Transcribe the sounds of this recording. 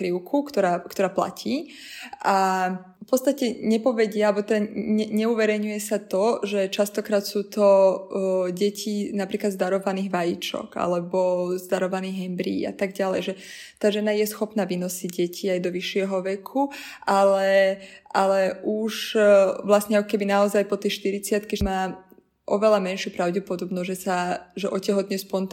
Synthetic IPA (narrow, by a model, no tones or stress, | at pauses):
ɾiʊkʰukt̪ɔɾaːkt̪ɔɾaːpla̰cʰiː | ʔa | fpɔtt͡st̪acɛɲɛpɔʋɛɟɪaalbɔt̪ɛd̪aɛɲɛuʋɛɾɛjɲujɛsat̪ɔʒɛt͡ʃast̪ɔkɾaːt̪suːt̪ɔ | ɟɛcʰinapɾiːklad̪zd̪aɾɔʋaniːɣʋajit͡ʃɔ̰ka̰lɛbɔzd̪aɾɔʋaniːɣɦɛmbɾḭːa̰t̪aɡɟalɛ̰jʒɛ | t̪aːʒɛnajɛsxɔpnaːʋinɔsiɟɟɛcʰiajd̪ɔʋiʃːɪɛɦɔʋɛkʰuʔalɛalɛʔuʃʋlasɲɛakɔkɛbinaɔzajpɔt̪ɛʃt̪iɾit͡sɪat̪kimaː | ʔɔ̰ʋɛlamɛnʃjupɾaʊɟɛpɔd̪ɔbnɔzʒɛsaʒɛʔɔcɛɦɔt̪ɲɛspɔnt̪